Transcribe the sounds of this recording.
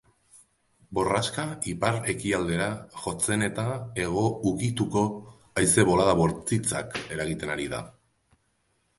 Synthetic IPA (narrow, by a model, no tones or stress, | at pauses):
bo̞raskaipaɾe̞kiald̪e̞ɾaʝo̞t͡se̞ne̞t̪ae̞ɣ̞o̞ukit̪uko̞ | ajse̞βo̞laðaβo̞ɾt͡sit͡sake̞ɾaɣit̪e̞naɾið̞a̰